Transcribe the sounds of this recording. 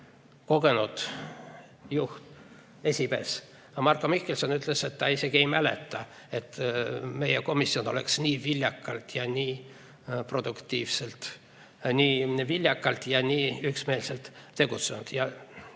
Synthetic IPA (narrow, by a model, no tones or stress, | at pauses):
ko̞ɡ̥e̞nud̪̥ | juht̪ | e̞sʲipe̞ːs | mɑrkːˑomihkːelso̞nyt̪ˑlese̞t̪ːɑise̞ɡie̞jmælḛt̪ːˑɑ | e̞t̪ːme̞jeko̞misːio̞no̞lḛksniːvilʲjɑkːˑɑlt̪jɑnʲiː | pro̞d̪̥ukt̪ːiːvselt̪ | nʲiːvilʲjɑkːˑɑlt̪jɑnʲiːyksme̞ːlse̞lt̪t̪e̞ɡ̥ut̪senud̪̥jɑ